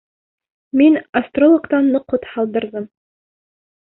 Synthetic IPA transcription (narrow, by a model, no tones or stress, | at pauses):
minast̪rolˠokt̪ɑnːɤqut̪hɑlˠd̪ɤ̆ɾðɤm